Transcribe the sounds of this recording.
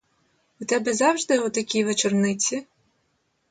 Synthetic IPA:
ut̪ɛbɛzɑwʒd̪ɪut̪ɐkʲijʋet͡ʃernɪt͡sʲi

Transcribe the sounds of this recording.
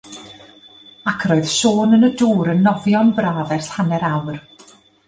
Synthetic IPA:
akʰroːɨð̥ʃoːnənəduːɾənːɔvjɔnbraːðɛrɬhanɛɾawr

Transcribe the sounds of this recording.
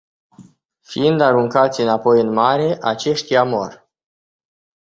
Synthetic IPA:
fiɨnd̪aɾuŋkat̪sʲɨnapo̞jɨnmaɾe̞ʔat͡ʃe̞ʃt̪ʲjamo̞r

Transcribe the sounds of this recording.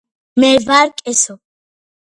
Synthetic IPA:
mɛvaɾkʼɛsɔ

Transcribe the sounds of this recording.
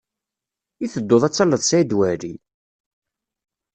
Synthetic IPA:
iθəd̪ːoðˤæt͡sːɑlːəðˤsæd̪wæɾi

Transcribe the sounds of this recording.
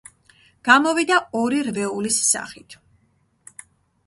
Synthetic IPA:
ɡ̥amɔvid̪aɔɾiɾvɛulisːa̰χit̪ʰ

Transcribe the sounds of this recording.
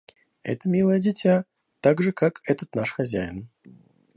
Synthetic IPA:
ɛ̰t̪əmʲilˠəjəd͡zʲɪt͡sʲa | t̪aɡʐɨkakɛt̪ət̪naʂxazʲajɪ̰n

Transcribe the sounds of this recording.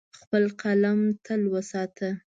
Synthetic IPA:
xpəlqalamt̪ʰəlwəsɑt̪ʰə

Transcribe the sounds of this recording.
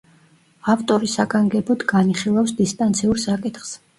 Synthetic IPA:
apt̪ʼɔɾisaɡaŋɡɛbɔd̪ɡaniχilˠafsd̪ist̪ʼant̪sʰiuɾsakʼit̪χs

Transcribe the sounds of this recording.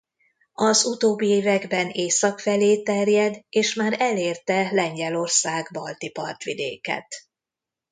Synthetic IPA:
ɒzut̪oːbːieːvɛɡbɛneːsɒkfɛleːt̪ɛrjɛd̪eːʃmaːɾɛleːrt̪ɛlɛɲɟɛlo̞rsaːɡbɒlt̪ipɒ̰rt̪ʋid̪ḛːkɛ̰t̪

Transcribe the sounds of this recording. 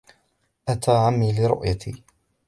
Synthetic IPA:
ʔat̪aːʕamːiːlɪɾʊ̰ʔjat̪ʰḭː

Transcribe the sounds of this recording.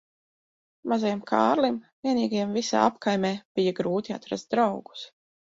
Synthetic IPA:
mazajɛmkʰa̰ːɾlimviɛnʲiːɡajɛmvisa̰ːapkajmʲɛːb̥ijaɡɾuːt̪ʲia̰t̪ɾa̰st̪̚d̪ɾawɡu̥s

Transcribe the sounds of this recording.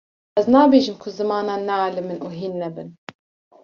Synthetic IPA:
ɛznɑːbeːʒɨmkʰʊzɨmɑːnɑːnːɛaːlɨmɨnʔuːɦiːnːɛbɨn

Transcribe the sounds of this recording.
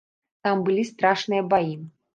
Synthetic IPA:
t̪ambɨlʲist̪ɾaʂnɨjɐbaji

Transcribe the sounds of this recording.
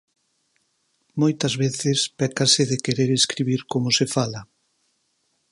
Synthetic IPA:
mojt̪ɐzβeθɪspɛkasɪðekeɾeɾeskɾiβiɾkomʊsefalɐ

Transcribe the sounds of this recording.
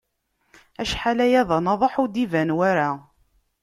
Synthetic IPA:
æʃħalæjæðˤɑnɑðˤoħʊd̪ivænwæɾa

